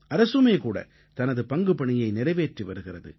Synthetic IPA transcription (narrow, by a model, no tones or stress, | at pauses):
ʔɐɾɐsɯmeːkuːɽɐ̰ | t̪ɐnɐðɯpɐŋɡɯpɐɳɪjɐɪnɪɾɐɪʋeːʈriʋɐɾɯɣɪrɐðɯ̰